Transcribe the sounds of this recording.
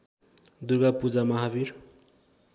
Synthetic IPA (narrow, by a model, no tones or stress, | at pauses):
d̪urɡapud͡zamʌɦabir